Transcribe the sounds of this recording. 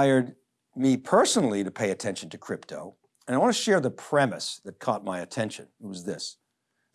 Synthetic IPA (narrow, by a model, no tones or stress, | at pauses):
ɪə˞d̚ | mipʰɜ˞snl̩ˠiɾɨpʰeɪɨtʰɛ̃nʃn̩tʰɨkʰɹ̥ɪp̚tʰoʊ | ɨ̃naɪwɑ̃ntɨʃɛɹðəpʰɹ̥ɛmɨsðɨt̚kʰɔt̚maɪɨtʰɛ̃nʃɨ̰̃nt̚wʌzðɪs